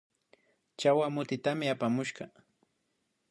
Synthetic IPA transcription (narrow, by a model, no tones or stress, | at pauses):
t͡ʃawamʊt̪ɪt̪amɪapamʊʃɢɑ